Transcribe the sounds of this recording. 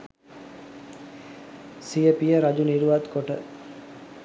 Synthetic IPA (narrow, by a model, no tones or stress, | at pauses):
sijəpijəɾad͡ʒuniɾuʋat̪koʈə